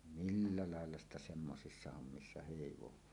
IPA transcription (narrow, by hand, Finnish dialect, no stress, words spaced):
milːɑ lɑˑelːɑ stɑ semːosisːɑ homːisːɑ heˑiʋowˑɑː